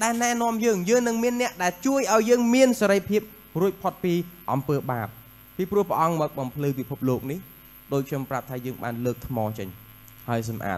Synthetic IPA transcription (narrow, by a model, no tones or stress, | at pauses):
ɗaɛlnaːnŏəmjəːŋjəːŋnɨŋmiənːɛ̆əʔɗaɛlt͡ɕuəjʔaɔjːəːŋmiənseɾəjpʰiəp̚ | ruəc̚pʰot̪̚piːʔɑmpəːɓaːp̚ | piːprŭəhpə̆ʔɑŋmɔːk̚ɓɑmpʰlɨːpipʰup̚loːk̚nih | ɗoːc̚kʰɲomprap̚t̪ʰaːjəːŋɓa̰ːnləːk̚t̪ʰmɑːt͡ɕəɲ | haəjs̬ɑmʔa̰ːt̪̚